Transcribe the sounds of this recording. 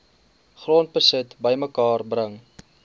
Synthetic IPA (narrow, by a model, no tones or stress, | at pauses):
χroːntbəsətbəjməkɑːrbrəŋ